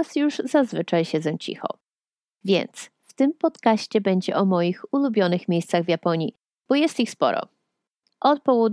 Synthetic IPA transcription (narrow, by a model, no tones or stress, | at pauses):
asjuʐzazvɘt͡ʂajɕɛd̪zɛ̃t͡ɕḭxɔ̰ | vʲjɛ̰nt̪s | ft̪ɘmpɔt̪kaɕt͡ɕɛbɛɲd͡ʑɛ̰ʔɔmɔjixulubʲjɔnɘxmʲjejst̪saɣvjapɔɲji | b̥ɔjɛst̪ixspɔ̰ɾɔ̰ | ʔɔt̪̚pɔwɔd̪